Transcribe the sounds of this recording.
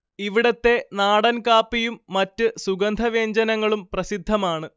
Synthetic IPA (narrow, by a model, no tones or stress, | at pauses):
iʋiɽɐt̪ːe̞naːɽɐnkaːpːijumːɐtːɨsuɡɐnd̪ʱɐʋe̞ːɲd͡ʑɐnɐŋːɐɭumprɐsid̪ʱːɐmaːɳɨ